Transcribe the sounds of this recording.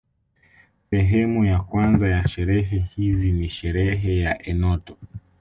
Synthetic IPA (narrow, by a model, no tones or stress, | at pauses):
sɛɦɛmujakwanzajaʃɛɾɛɦɛhiziniʃɛɾɛɦɛjaʔɛnɔtɔ̥